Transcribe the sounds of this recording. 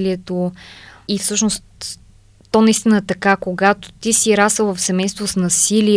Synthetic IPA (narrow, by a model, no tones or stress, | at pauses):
liɛt̪o | ifsɤʃnost̪ː | ɔnɐist̪inəɛt̪ɐkakoɡat̪o̥t̪isiɾasvəvɐfsɛmɛjst̪vosnɐsili